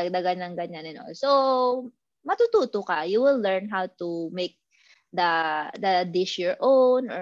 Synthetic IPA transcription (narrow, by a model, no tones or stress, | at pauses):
d̪ɐɡɐnɐŋɡɐɲanɐno̰so | mɐt̪uːt̪uːt̪okɐjuwɪlːɛɹnɦawt̪umek̚ | d̪ɐd̪ɐd̪ɪʃjɔɹʔownɔ